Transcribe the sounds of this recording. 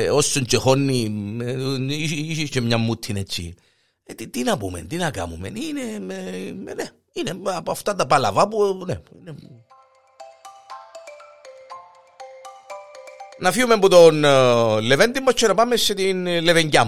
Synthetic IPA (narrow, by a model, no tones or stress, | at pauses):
osːont͡ʃexonːi | iisit͡ʃːemɲɐmːut̪ʰːinet͡ʃːḭ | et̪it̪inɐpumḛnt̪inɐka̰mumḛnine | ne | inepɐft̪at̪ɐpɐlɐ̰vapuneine | nɐfiumemput̪onlevend̪imːot͡ʃʰːonɐpamːesːet̪inleveɲɟa